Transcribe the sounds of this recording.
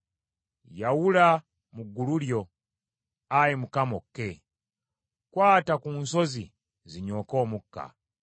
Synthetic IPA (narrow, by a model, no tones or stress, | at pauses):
jawula | muɡːululjo̞ | ajimukamokːe | kwaːtakuːnso̞zḭ | ziɲo̞ːko̞ːmukːa̰